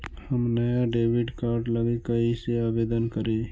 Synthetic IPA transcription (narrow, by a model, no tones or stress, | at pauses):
hɐmnɐjaɖeːʋɪɖkaːɾʈlɐɡekɐiseaːbeːd̪ənkɐɾeː